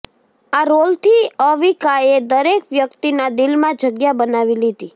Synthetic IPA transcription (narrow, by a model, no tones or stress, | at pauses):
aɾolt̪ʰiəʋikajed̪əɾekʋjəkt̪inad̪ɪlmãd͡ʒəɡjabənaʋilid̪i